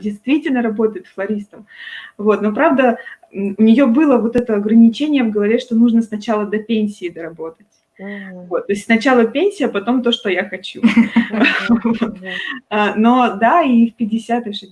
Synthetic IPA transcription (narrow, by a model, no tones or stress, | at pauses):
dʲɪjst̪vʲitʲɪlʲnəɾɐbo̞t̪əjɪt̪flˠɐɾʲist̪əmvo̞t̪no̞pɾavd̪əʊnʲɪjo̞bɨlˠəvo̞t̪ɛt̪əɐɡɾənʲɪt͡ɕenʲɪjəvɡəlˠɐvʲeʂt̪o̞nuʐnəsnɐt͡ɕalˠəd̪ɐpʲenʲsʲɪːd̪əɾɐbo̞t̪ətʲ | vo̞t̪ːo̞ɪsʲtʲsnɐt͡ɕalˠəpʲenʲsʲɪjəpɐt̪o̞mt̪o̞ʂt̪o̞jaxɐt͡ɕu | vo̞t̪ano̞d̪aifpʲɪdʲɪsʲat̪ɨʂɨ